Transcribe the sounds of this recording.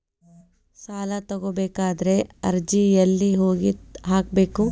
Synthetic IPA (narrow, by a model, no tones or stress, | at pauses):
saːlɐt̪ɐɡobeːkaːd̪ɐɾe̞ɐɾd͡ʒijɐlːiɦoːɡiɦaːk̚be̞ːku